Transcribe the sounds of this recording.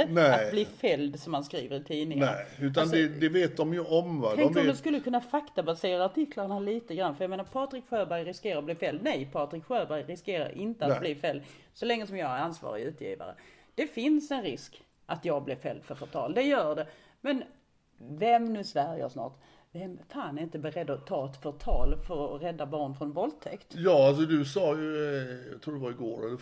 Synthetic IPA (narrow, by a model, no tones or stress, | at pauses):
ənɛat̪bliːfɛld̪sɔmhanskɾḭːvəɾɪt̪ʰiːnɪŋəʉ̟ːt̪̬and̪ɛd̪ɛveːt̪̚d̪ɔmjɵʔɔmvaɛmkɾɔd̪ɛskɵlːəkʰɵnːafakt̪abaseːɾaːʈʰɪkʰlaɾɳaliːt̪əɡɾanːfœjɑmeːnaɾpʰɑːt̪ɾɪkɧøːɾbæɾjɾɪskeːɾaɾblɪːɾfɛld̪nɛjpʰɑːt̪ɾɪkɧøːɾbæɾjɾɪskeːɾa̰ɾʔɪnt̪əat̪bliːfɛld̪sɔlɛŋːəsɔmjɑːɡaɾansvɑ̰ːɾɪ̰ʉ̟ːt̪ʰjḭːva̰ɾə̰ | d̪̥ɛfɪnsɛnɾɪsk | ʔat̪jɑːɡ̚blɪɾfɛ̰lːfœɾfœʈ̪ʰɑ̰ːld̪ɛjœːɖɛ | mɛn | vɛmnʉ̟ːsvæɾjə̰ʂnɑ̰ːʈ | vɛmfaːnæɾɪnt̪əbɛɾɛd̪ːɔt̪ʰɑːɛt̪fœt̪ʰɑːlfœɾɔɾɛd̪ːabɑːɳfɾɔnvɔlt̪ʰɛkt̪jɑːals̬ɔd̪ɵsɑːjɵjɑt̪ʰɾuːd̪ɛvaɾɪɡoːɖɛ